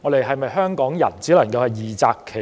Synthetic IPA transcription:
ŋɔ˨˧d̪e˨˧jɦɐ˨jmɐ˨jɦœː˥ŋkɔː˨˥ŋjɐ̰˨˩nt͡siː˨˥wlɐ˨˩ŋkɐ˧whɐ˨jjiː˨˩t͡sa̰ː˨˧kʰːe˨˩

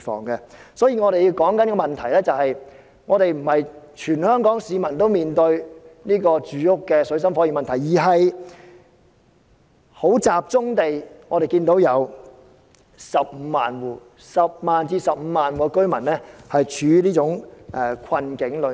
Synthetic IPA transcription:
fɔ̰ː˨ŋɡɛ˧sɔː˨˥jiː˧ŋɔː˨˧ɾe˨ji˧wkɔː˨˥ŋkɐ˦nkɔ˧mɐ˨˩nt̪ʰɐ˨˩jlɛː˥t͡sɐ˨˧whɐ˨j | ŋɔː˨˧ɾe˨jm̩˨˩hɐ˨jt͡ʃʰyː˨˩nhœː˥ŋkɔː˨˥ŋsiː˨˧mɐ˨˩nt̪o˥wmiː˨nt̪ɵ˧ɥniː˥kɔː˧t͡ʃyː˨˧jʊ˥kːɛː˧sɵ˨˧˥ɥs̬ɐ˥mfɔ˨˥jiː˨˩mɐ˨nt̪ʰɐ˨˩jiː˨˩ɦɐ˨j | ho˨˥wt͡saː˨p̚t͡sʊ˥ŋt̪e˨jŋɔː˨˧ɾe˨jkiː˧nt̪o˨˥wjɐ˨˧w | sɐ˨p̚m̩ː˨˧maː˨nwuː˨˩ | sɐ˨p̚maː˨nt͡siː˧sɐ˨p̚m̩ː˨˧maː˨nwuː˨˧kɵ˥ɥmɐ˨˩nlɛː˥hɐ˨jt͡ʃʰyː˨˧liː˥t͡sʊ˨˥ŋʔɛ˧kʰɐ˧nkɪ˨˥ŋlɵ˨˧

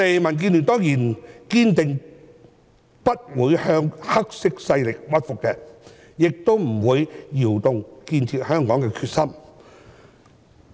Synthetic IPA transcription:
e˨jmɐ˨˩nk̬iː˧nly˨nt̪ɔː˥ŋjiː˨˩nkiː˧nt̪ɪ˨ŋ | pɐ˥t̚wuː˨˧jhœː˧ŋhɐ˥k̚sɪ˥k̚sɐ˧jlɪ˨k̚wɐ˥t̚fʊ˨kːɛː˧ | jɪ˨k̚t̪o˥wm̩˨˩wuː˨˧jjiː˨˩wt̪ʊ˧ŋkiː˧nt͡sʰiː˧t̚hœː˥ŋkɔː˨˥ŋkɛː˧kʰyː˧t̚sɐ˥m

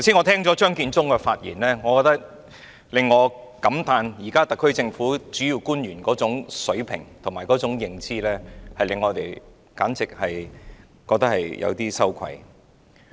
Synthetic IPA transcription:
t̪ʰɐ˩siː˥ŋɔ˨˧t̪ʰɛː˥ŋt͡sɔː˨˥t͡ʃœː˥ŋkiː˧nt͡sʊ˥ŋkɛ˧faː˧t̚jḭː˨˩nlɛː˥ŋɔː˨˧kɔː˧k̚t̪ɐ˥k̚ | lɪ˨ŋːɔː˨˧ | kɐ˨˥mt̪aː˧njiː˨˩kaː˥t̪ɐ˨kʰːɵ˥ɥt͡sɪ˧ŋfuː˨˥t͡syː˨˥ji˧wkuː˥nɥyː˨˩nkɔː˨˥t͡sʊ˨˥ŋsɵ˨˥ɥpʰɪ̰˨˩ŋt̪ʰʊ˨˩ŋmaː˨˩jkɔː˨˥t͡sʊ˨˥ŋjɪ˨˩ŋt͡siː˥lɛː˥hɐ˨jlɪ˨ŋːɔː˨˧t̪e˨˩j | kaː˨˥nt͡sɪ˨k̚hɐ˨j | kɔː˧k̚t̪ɐ˥k̚hɐ˨jjɐ̰˨˧wt̪iː˥sɐ˥wkʷʰwɐ̰˧j

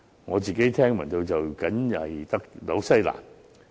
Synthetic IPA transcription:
ŋɔː˨˧t͡siː˨˩ke˨˥jt̪ʰɛː˥ŋmɐ̰˨˩nt̪o˧wt͡sɐ˨wkɐ˨˥nɐ˨˩jt̪ɐ˥k̚lo˨˥wsɐ˥jla̰ː˨˩n

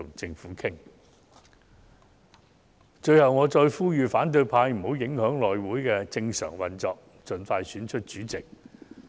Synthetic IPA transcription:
ʊ˨˩ŋt͡sɪ˧ŋfuː˨˥kʰɪ˥ŋ | t͡ʃɵ˧ɥhɐ˨wŋɔː˨˧t͡ʃɔː˧jfuː˥jyː˨faː˨˥nt̪̬ɵ˧ɥpʰaː˧jm̩˨˩ho˨˥wjɪ˨˥ŋhœː˨˥ŋlɔː˨jwuː˨˥jkɛː˧t͡sɪ˧ŋsœ̰ː˨˩ŋwɐ˨nt͡sɔː˧k̚ | t͡sɵ˨nfaː˧jsyː˨˥nt͡ʃʰɵ˥t̚t͡ʃyː˨˥t͡sɪ˨k̚

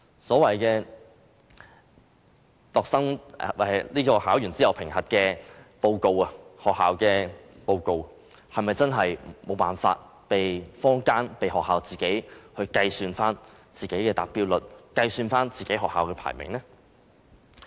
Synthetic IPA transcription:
sɔː˨˥wɐ˨jkɛː˧ | t̪ɔː˨k̚sɐ˥ŋwliː˥kɔː˧haː˨˥wjyː˨˩nt͡siː˥jɐ˨˩wpʰɪ˨˩ŋhɐ˨t̚kɛː˧po˧wko˨˧wɐ˨hɔː˨k̚hːaː˨wkɛː˧po˧wko˨˧w | hɐ˨jmɐ˨˩jt͡sɐ˥nɦɐ˨jmo˨˧wpaː˨˩nfa̰ː˧t̚ | pe˨jfɔː˥ŋkaː˥npe˨jɦɔː˨k̚haː˨wt͡siː˨ke˨˥jhɵ˧kɐ˧jsyː˧nfaː˥n | t͡siː˨ke˨˥jkɛː˧t̪aː˨k̚piː˥wlɵ˨t̚kɐ˧jsyː˧nfaː˥nt͡siː˨ke˨˥jɦɔː˨˩khaː˨wkɛː˧pʰa̰ː˨˩jmɪ̰˨˩ŋlɛː˥

